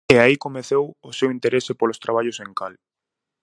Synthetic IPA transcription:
eaikomeθewʊsewint̪eɾesɪpolost̪ɾaβ̞aʎʊseŋkal

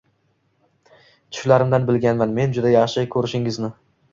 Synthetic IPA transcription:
t̪ʰʊ̥ʃlaɾɪmd̪anbɪlɡʲanmanme̞nd͡ʒʊd̪ajɑχʃɪkʲʰɵɾɪʃɪŋɪznɪ

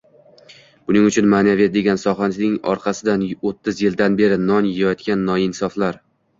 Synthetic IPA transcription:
b̥ʊnɪŋʊt͡ʃʰʊnmaːnavet̪̚d̪e̞ɡʲansɒχannɪŋɒ̰ɾqʰɑsɪd̪anot̪ʰːɪzjɪld̪anbe̞ɾɪnɒnjejjɒt̪kʲanːɒɪnsɒflaɾ

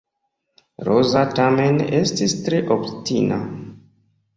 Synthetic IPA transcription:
ɾozatame̞ne̞stistɾeʔoptina̰

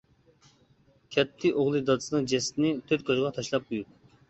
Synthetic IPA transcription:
kʲʰɛt̪ʰːɪʔoʁlˠɨd̪ɑd̪ɨsɨnɨŋd͡ʒɛst̪ɪnɪt̪ʰøɾt̪̚kɑʒʁɑt̪ʰɑʃlˠɑp̚qʰojut̪̚

